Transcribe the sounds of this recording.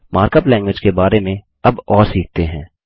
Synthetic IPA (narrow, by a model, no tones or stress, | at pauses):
maːɾkəplɛ̃ːŋɡwɪd͡ʒkebaːɾemẽ | ɐbɔːɾsiːk̚ʰt̪eɦɛ̰̃ː